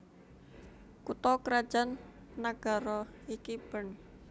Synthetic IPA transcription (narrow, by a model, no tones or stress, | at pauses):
kut̪ɔkəɾad̥ʒ̥anːaɡ̥a̤ɾɔikib̥ən